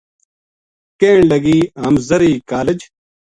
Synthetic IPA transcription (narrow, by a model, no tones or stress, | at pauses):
kẽːɳlɐɡiːɦɐmzɐɾiːkaːled͡ʑ